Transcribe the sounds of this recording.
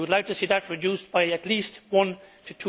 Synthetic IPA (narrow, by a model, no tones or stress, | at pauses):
ədˡlaɪʊk̚tʰɨsiðət̚ɹɨd͡ʒʉsb̥aɪɨtˡlistwʌ̃ntʰɨtʰ